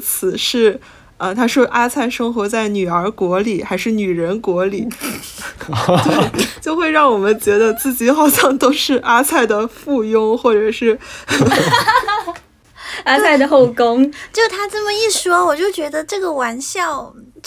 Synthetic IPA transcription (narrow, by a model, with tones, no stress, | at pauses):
t͡sʰɹ̩˨˩ʂɻ̩˥˩ | ə˧t̪ʰa˥ʂwɔ˥ʔa˥t͡sʰa˥˩ɪʂɤ˥ŋxwɔ˧˥t͡sa˥˩ɪny˨˩ə˞˧˥kwɔ˧˥li˨˩˦xa˧˥ɪʂɻ̩˥˩ny˨˩ɻə˧˥nkwɔ˧˥li˨˩˦ | t̪we˥˩ɪt͡ɕjo˥˧ʊxwe˥˧ɪɻɑ˥˩ŋwɔ˨˩mə˦nt͡ɕɥɛ˧˥d̪ə˧t͡sɹ̩˥˩t͡ɕi˧˥xɑ˨˩ʊɕjɑ˥˩ŋt̪o˥ʊʂɻ̩˥˩ʔa˥t͡sʰa˥˩ɪd̪ə˩fu˥˩jʊ˥ŋxwɔ˥˩ʈ͡ʂɤ˨˩ʂɻ̩˥˩ | a˥sʰa˥˩ɪd̪ə˩xo˥˩ʊkʊ˥ŋt͡ɕjo˥˧˩t̪ʰa˥t͡sə˥˩mə˩i˥˩ʂwɔ˥wɔ˨˩t͡ɕjo˥˩ʊt͡ɕɥɛ˧˥d̪ə˧ʈ͡ʂɤ˥˩ɡə˩wa˧˥nɕjɑ˥˩ʊ